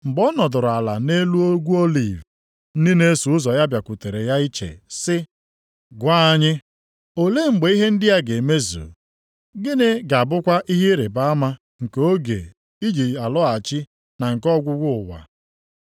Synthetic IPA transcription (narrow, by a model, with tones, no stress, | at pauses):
ŋ͡m̩˨ɡ͡bɔ˦nɔ˨dʊ˨ɾʊ˨a˨la̰˨ne˦lu˦o˦ɡʷu˦o˦lḭ˨v | n̩˦dɪ˦ne˦su˨ʊ˦zɔ˨ja˦bja˨kʷu˨te˨ɾe˨ja˦i˦t͡ʃḛ˨sɪ˦ | ɡʷa˦a˦ɲɪ˦ | o˨le˦ŋ͡m̩˨ɡ͡be˨i˦ɦe˦n̩˦dɪ˦ja˦ɡe˨me˦zṵ˨ | ɡɪ˦ne˦ɡa˨bʊ˦kʷa˦ʔi˦ɦi˦ɾe˨ba˦a˦ma˦ | ŋ̩˨ke˨o˦ɡḛ˨ | i˦d͡ʒi˨a˨lɔ˦a˨t͡ʃi˦ | na˨ŋ̩˨kɔ˦ɡʷʊ˦ɡʷʊ˦ʊ˨wa̰˨